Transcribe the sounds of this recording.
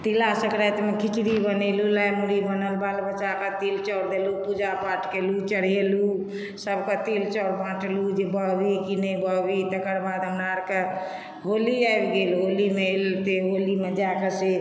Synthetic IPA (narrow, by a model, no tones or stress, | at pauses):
t̪ilasəkɾat̪mekʰit͡ʃɽibənelulajmuɽibənəlbalbət͡ʃakət̪ilt͡ʃɔɾd̪elupud͡ʒapaʈʰkelut͡ʃəɽ̤elu | səbkət̪ilt͡ʃɔɾbãʈlud͡ʒebəbikinəjbəbit̪əkəɾbad̪ɦəmɾaɾke | ɦoliaebɡelɦolimelt̪eɦolimed͡ʒakəse